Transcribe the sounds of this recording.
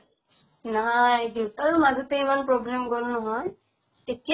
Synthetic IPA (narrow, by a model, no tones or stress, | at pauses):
najd̪it̪aɾumadut̪ejmanpɾɔblemɡɔɾunɔɦɔj | eti